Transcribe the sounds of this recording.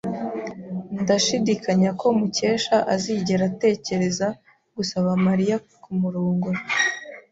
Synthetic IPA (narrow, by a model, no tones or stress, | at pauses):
ndaʃidikʰaɲako̞muce̞ːʃaʔaziːɟe̞ɾate̞ːce̞ɾe̞za | ɡ̥usaβamaɾija | kumuɾuːŋɡo